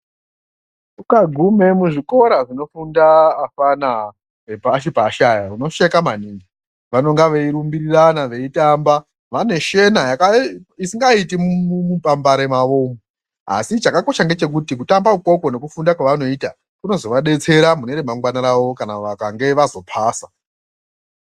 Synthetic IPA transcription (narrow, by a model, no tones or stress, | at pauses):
ukaɡʱume̞muʐiko̞ɾaʐino̞fundaːfana | epaːʃipaːʃajauno̞ʃe̞kamaniŋɡi | ʋano̞ŋɡaʋe̞iɾumbiriranaʋe̞itamba | ʋane̞ʃe̞najakaisiŋɡaitimumupambaɾe̞maʋo̞ːm | a̰sit͡ʃakako̞ʃaŋɡe̞t͡ʃe̞k̬utik̬utambauko̞kone̞kufundakwaʋano̞ita | kuno̞zo̞ʋaɗe̞t͡se̞ɾamune̞ɾemaŋɡwanaɾaʋo̞kanaʋakaŋɡe̞ʋazo̞pʰaːsa